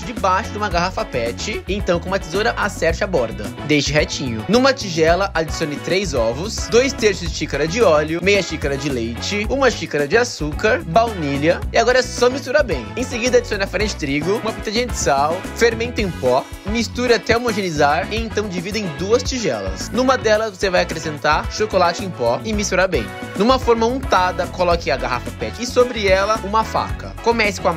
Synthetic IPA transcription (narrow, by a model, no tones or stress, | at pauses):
d͡ʒɪbajʃʊd̪ũmɐɡaɦafɐpɛt͡ʃɪẽt̪ɐ̃w̃kõumɐt̪izoɾɐʔasɛɾt͡ʃɪabɔɾd̪ɐd̪ejʃɪɦɛt͡ʃĩɲʊnũmɐt͡ʃiʒɛlɐʔad͡ʒisiõnɪ̃t̪ɾejzɔvʊsd̪ojst̪eɾʃʊzd͡ʒɪʃikaɾɐd͡ʒɪɔlʊmejɐʃikaɾɐd͡ʒɪlejt͡ʃɪũmɐʃikaɾɐd͡ʒɪasukɐɾbawniʎɐɪaɡɔɾɐsɔmist̪uɾabẽj̃ẽj̃seɡid̪ɐad͡ʒisiõnɐfɾẽnt͡ʃɪt̪ɾiɡʊũmɐpɾot̪ẽʒĩñɐd͡ʒɪsaw | feɾmẽnt̪ɐẽj̃pɔ | mist̪uɾat̪ɛomoʒenizaɾɪẽnt̪ɐ̃w̃d͡ʒivid̪ɐẽj̃d̪uɐst͡ʃiʒɛ̰lɐ̰snũmɐd̪ɛlɐzvosevajakɾesẽnt̪aɾʃokolat͡ʃɪẽj̃pɔɪmist̪uɾabḛ̃j̃ | nũmɐfɔɾmɐũt̪ad̪ɐkolɔkɪaɡaha̰fɐpɛt͡ʃɪɪsobɾɪɛlɐũmɐfa̰kɐ̰komɛsɪ̥kõ